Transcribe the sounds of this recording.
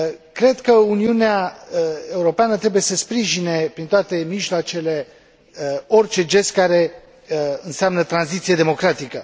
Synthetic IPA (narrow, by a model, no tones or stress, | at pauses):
kɾe̞d̪kəuniunea | e̞uɾo̞peanət̪ɾe̞buje̞səspɾiʒine̞pɾint̪oat̪e̞miʒloat͡ʃe̞le̞ | o̞rt͡ʃe̞d͡ʒe̞st̪̚kaɾe̞ | ɨnseamnət̪ɾanzit̪sijed̪e̞mo̞kɾat̪ikə